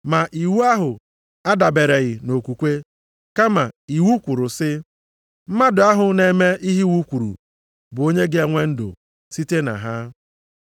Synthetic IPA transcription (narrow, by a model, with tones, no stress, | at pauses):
ma˨ʔi˨wu˦a˦ɦʊ˨ | a˦da˨be˨ɾe˨ɣɪ˨no˨kʷu˨kʷe˦ | ka˦ma˨i˨wu˦kʷu˨ɾʊ˨sɪ˦ | m̩˦ma˦dʊ˨a˦ɦʊ˨ne˦me˦i˦ɦi˦wu˦kʷu˨ɾṵ˨ | bʊ˨o˦ɲe˦ɡɪ˦e˦ŋʷe˦n̩˦dʊ̰˨ | si˦te˦na̰˨ɦa˦